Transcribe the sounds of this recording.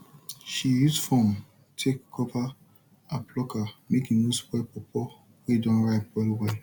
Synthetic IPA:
ʃijusfɔ̃m | tʰekʰːɔva | apʰlɔkamekĩŋnospwɛpɔpʰɔ | wedɔ̃nɹaɪtwɛlwɛl

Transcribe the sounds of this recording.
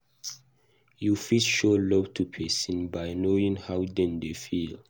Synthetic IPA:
jufisʃolɔvtʰupʰɛsĩnbajnoĩŋhawdɛ̃ndefil

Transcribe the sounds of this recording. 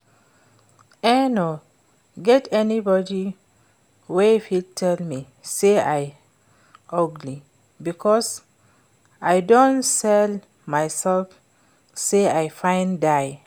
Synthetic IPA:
ɛno | ɡɛtɛnibɔdi | wefitʰɛlmi | seaj | ʔʌɡli | bikʰɔs | ajdõnsɛl | majsɛlf | seajfãɪ̃ndaj

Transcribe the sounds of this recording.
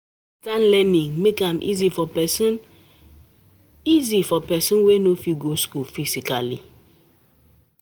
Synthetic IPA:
stãnlɛnĩŋmekãmʔḭzifɔpɛsn | izifɔpɛsɔ̃nwenofiɡoskulfisikalḭ

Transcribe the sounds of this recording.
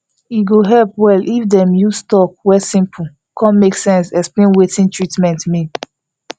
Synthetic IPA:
iɡoɦɛlpwɛlʔifdɛ̃mjustɔp̚wɛsĩmpʰu | kʰɔ̃nmeksɛ̃nsɛksplẽnwetĩntʰɹitmɛ̃ntmi

